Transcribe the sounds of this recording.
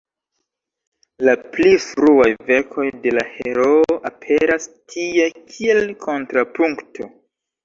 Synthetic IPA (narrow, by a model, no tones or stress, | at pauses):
laplifɾuajve̞ɾkʰo̞jde̞lahe̞ɾo̞oʔapʰe̞ɾastʰiekʰie̞lkʰo̞ntɾapuŋktʰo